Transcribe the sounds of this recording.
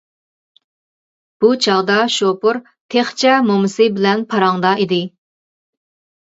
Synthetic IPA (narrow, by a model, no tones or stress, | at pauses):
b̥ut͡ʃʰɑʁd̪ɑʃopuɾ | t̪ʰeχt͡ʃʰɛmomsɪbɪlɛnpʰɑɾɑŋd̪ɑid̪ɪ